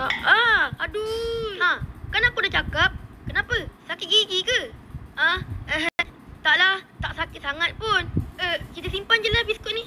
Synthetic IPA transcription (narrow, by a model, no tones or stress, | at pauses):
əaduãkanapudaht͡ʃakap̚kənãpəsakit̪̚ɡiɡikəãəɦt̪aʔlaht̪aʔsakɪt̪̚saŋat̪̚pʊnəkit̪əsimpand͡ʒəlabiskʊt̪̚ni